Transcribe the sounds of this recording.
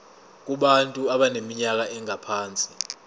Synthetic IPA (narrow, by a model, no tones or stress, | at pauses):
k̬uɓantʼuaɓanemiɲak̬aʔɛŋapʰaːnt͡sʼi